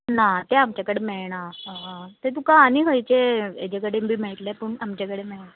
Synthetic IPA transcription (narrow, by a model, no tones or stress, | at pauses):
nat̪eamt͡ɕakəɽemeɭɳaɦãt̪et̪ukãːniɦəjt͡ɕeḛd͡ʑekəɽebʱiːmeɭʈ̪lepəɳamt͡ɕakəɽemeɭɳa